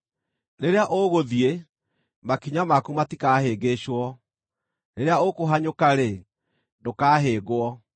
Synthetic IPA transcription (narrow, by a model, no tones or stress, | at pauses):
neɾeaʔoɣoðie | makiɲamakumatikaːheːɡeɕwɔ | neɾeaokoɦaɲokaɾe | dokaːɦeːɣoɔ